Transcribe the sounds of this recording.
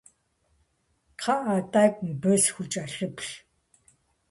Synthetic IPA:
tʰaat̪æːkmpeːsxut͡ɕaɮə̆pɮ

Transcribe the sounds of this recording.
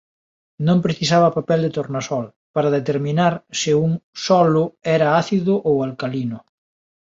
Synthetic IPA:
nõmpɾeθisaβɐpapɛld̪et̪oɾnasɔl | paɾɐðet̪eɾmĩnaɾsɪuŋsɔlʊɛɾɐaθiðʊʔowalkalinʊ

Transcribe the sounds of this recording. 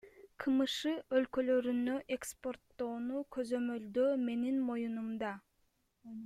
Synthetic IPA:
qʰɯmɯʃɯø̞lkø̞lø̞ɾynø̞ʔe̞kspo̞rt̪ːo̞ːnukʰø̞zø̞mø̞ld̪øːme̞ninmo̞junumd̪ɑ

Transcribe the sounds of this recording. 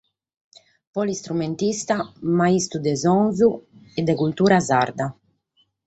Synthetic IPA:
pɔlist̪ɾument̪ist̪amaist̪ud̪ɛzɔnvuɛd̪ɛkult̪uːɾaza̰ɾd̪a

